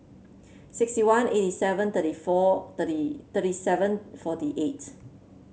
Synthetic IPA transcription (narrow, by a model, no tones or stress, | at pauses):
sɪkstiwãnetisɛvə̃nt̪ətifɔt̪ətit̪ətisɛvə̃nfɔtiʔet